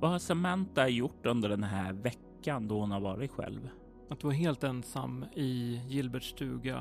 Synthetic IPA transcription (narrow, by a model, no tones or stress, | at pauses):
vahaɾsɛmɛnt̪ajʊʈːɵnd̪əɖɛnɦæːɾvɛkːand̪ɔhʊnhaɾvɑːɾɪt̪ɧɛ̰lv | at̪̚d̪ɵvaɾɦeːlt̪ɛnsa̰mːɪjɪlbɛʈʂʈʰʉ̟ːɡa